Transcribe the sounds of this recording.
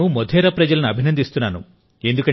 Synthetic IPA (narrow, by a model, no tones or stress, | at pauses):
umod̪ʱɛːɾɐpɾɐd͡ʒɐlɐnuɐbʱinɐnd̪ist̪unːaːnṵ | e̞nd̪ukɐ